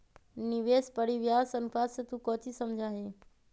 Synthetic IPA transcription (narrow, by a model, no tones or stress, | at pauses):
nɪʋeːspəɽiʋɪjaːsənʊfaːset̪uːkoːt͡ʃʰisəmd͡ʒʱaːɦeː